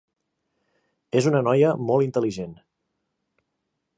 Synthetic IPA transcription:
ezunənɔjəmɔlˠint̪əliʒen

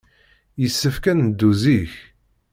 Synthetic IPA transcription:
jəsːəfkænd̪ːuziç

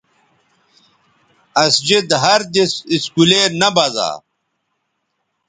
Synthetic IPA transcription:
ɐsd͡ʑid̪ɦɐɾd̪isiskulenɐbɐza̰ː

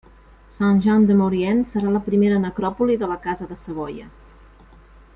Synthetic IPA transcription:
sanʲʒɔnd̪əmuɾiɛnsəɾaləpɾimeɾənəkɾɔpuliðələkazəðəsəɣ̞ɔjə

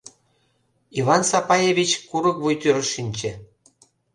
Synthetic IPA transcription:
ivɑnsɑpɑjeβʲit͡ɕkuɾɤ̆kvujt̪yɾɤ̆ʃinʲt͡ɕĕ

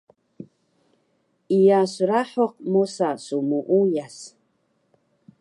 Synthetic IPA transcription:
ijasuɾaħoq̚mosasumuʔujas

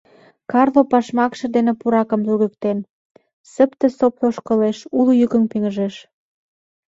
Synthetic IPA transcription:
kɑrlopɑʃmɑkʃɤ̆d̪enĕpuɾɑkə̆mluɣyk̚t̪en | sə̆pt̪ĕsoploʃkɤ̆leʃulujykə̆ŋpiŋəʒeʃ

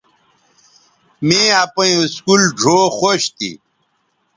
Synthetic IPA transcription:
mẽapɐĩuskulɖʱoːxoɕt̪ḭ

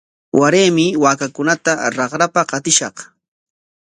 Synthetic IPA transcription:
wʔaɾeːmɪwaːkakʊnat̪aɾɑχɾapaqɑt̪ɪʃɑq

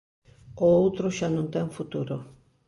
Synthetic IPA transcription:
oowt̪ɾoʃanõnt̪ɛŋfut̪uɾo

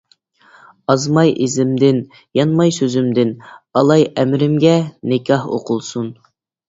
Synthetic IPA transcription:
ɑzmɑjʔezɪmd̪ɪn | jɑnmɑjsøzymd̪ɪnɑlˠɑjɛmɾɪmɡʲɛnɪkʲʰɑho̰qʰʊlˠsun

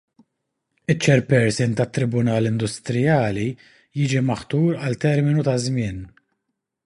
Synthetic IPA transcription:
ɪt͡ʃːɛɾpɛɾsɪnt̪ɐt̪ːɾɪbʊnɐːlɪnd̪ʊst̪ɾɪjɐːli | jɪːd͡ʒimɐħt̪uːɾɐlt̪ɛɾmɪnut̪ɐzmɪːn

